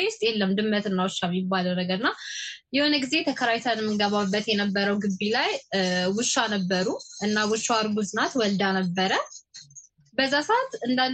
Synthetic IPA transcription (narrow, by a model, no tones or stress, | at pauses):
wʊst̪ʼjelːəmd̪ɨmːət̪ɨnːawʊʃːamjɪbːaləwnəɡəɾɨnːajɛho̞nəɡize̞t̪ʰəkʰəɾawt̪ʰanɛmːɨnɡəβabːət̪jɛnəbːəɾəwɡɨbːilajwʊʃːanəbːəɾuʔɨnːawʊʃːaɾɡuzɨnat̪wɔld̪anəbːəɾə | bəzːasaat̪ɨnd̪alː